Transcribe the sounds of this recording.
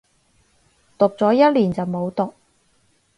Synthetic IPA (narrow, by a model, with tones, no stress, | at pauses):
t̪ʊ˨k̚t͡sɔː˨˥jɐ˥t̚liː˨˩nt͡sɐ˨wmo˨˧wt̪ʊ˨k̚